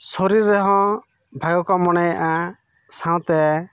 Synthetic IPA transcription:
soɾiɾɛɦɔ̃ | bʱaɡɔkɔmɔɽ̃ɛjaʔa | sãw̃t̪ɛ

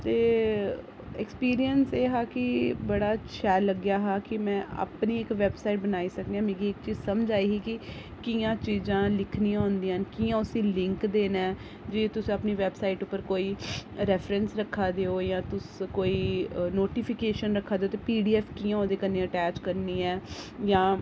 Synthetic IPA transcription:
t̪eː | ɛkspiːɾijənseːɦaːkɪbəɽaːt͡ʃʰɛːləɡjaːɦaːkɪmɛ̃ːa̰ːpniːɪkʋɛːbsaːiʈ̚bənaːiːsəkd̪eãːmeːɡiːɪkt͡ʃiːzsəmd͡ʒaːiːɦiːkɪ | kɪjãːt͡ʃiːzãːlɪkʰniːãʊnd̪iːankijãːʊsĩːlɪ̃ŋkd̪eːnɛː | d͡ʒeːt̪ʊsĩapniːʋɛːbsaːiʈʊpːəɾkoːiːɾɛːfɾɛ̃nsɾəkʰːaːd̪eːoːjãːt̪ʊskoːiːnoːʈiːpʰɪkeːʃənɾəkʰːaːd̪eoːt̪eːpiːɖiːɛːpʰʈijãːoːd̪eːkəneːəʈɛːt͡ʃkəɾniːɛːjãː

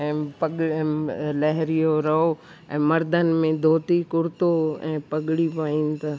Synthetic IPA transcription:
ɛ̃ːpɐɡ | lɐɦɾijoɾɐɦo | ɛ̰̃ːmɐɾd̪ʱənɪ̆mẽd̪ʱoːt̪ikʊɽt̪oɛ̃ːpɐɠɽipaːĩːnt̪aː

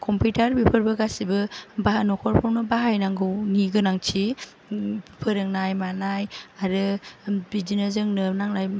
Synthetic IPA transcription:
kʰɔmpitaɾbipʰɯɾbɐɡasibɯbaanɔkʰɔɾpʰɔɾnɯbaɦajnaŋɡɯwniɡɯnaŋt͡ʃʰi | pʰɯɾɯŋnajmanajaɾɯbid͡ʒinɐzɯŋnɯnaŋnaj

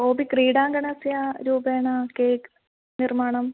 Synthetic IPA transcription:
oːbikriːɽaːŋɡɐɳɐsjaɾuːbeːɳaːkeːk | nirmaːɳɐm

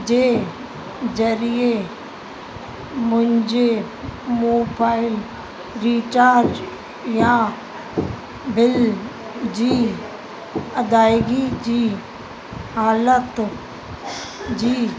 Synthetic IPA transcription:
d͡ʑeː | zəɾie | mʊ̃ɦɪ̃ɲd͡ʑe | moːbaːɪl | ɾiːt͡ʃaːɾd͡ʒ | jã | bɪl | d͡ʑiː | ɐd̪aːɪɡid͡ʑiː | haːlət̪ | d͡ʑiː

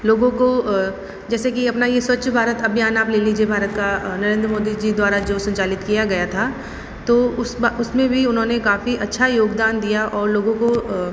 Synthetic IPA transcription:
loːɡõko | d͡ʒɛːsekiɐpnajeswɐtːʃʰbʱaːɾət̪ɐbjaːnaːpleːliːd͡ʒiebʱaːɾət̪kanɐɾẽːnd̪ɾəmoːd̪id͡ʒid̪waːɾad͡ʒoːsɐ̃ɲt͡ʃaːlɪt̪kijaɡɐjat̪ʰaː | t̪oːʊsʊsmẽbʱiʊnɦõːnekaːfiʔɐtːʃʰajoːɡd̪aːnd̪ijaʔɔːɾloːɡõko

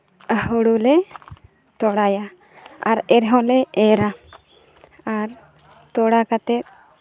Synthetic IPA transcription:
əhuɽulɛ | t̪ɔɽaja | a̰ɾɛɾɦɔ̃lɛɛɾa | aɾ | t̪ɔɽakat̪ɛt̪̚

